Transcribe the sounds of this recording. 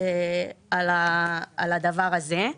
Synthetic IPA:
ealaalad̪avaʁaze

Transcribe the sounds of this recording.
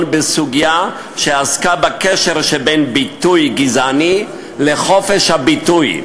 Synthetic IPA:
nbesuɡija | ʃeaskabakeʃeʁʃebenbit̪ujɡizani | leχo̞feʃhabituj

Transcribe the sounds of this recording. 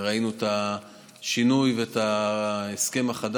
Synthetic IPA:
ʁainueta | ʃinujvetaeske̞maχad

